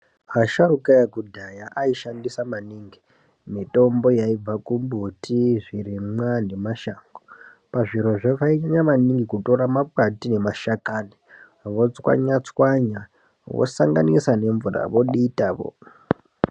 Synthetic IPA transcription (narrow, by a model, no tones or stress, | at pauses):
aʃarukajakudʱajaʔaiʃandisamaniːŋɡi | mito̞mbo̞jaib͡vakumbutiʐirimwane̞maʃaŋɡo | paʐiɾoʐaʋaiɲaɲamaniŋɡikuto̞ɾamap̚atine̞maʃakani | ʋo̞t͡swa̰ɲat͡swaɲa | ʋo̰saŋɡanisane̞ɱvura̰ʋo̞ɗiːtaːʋo̰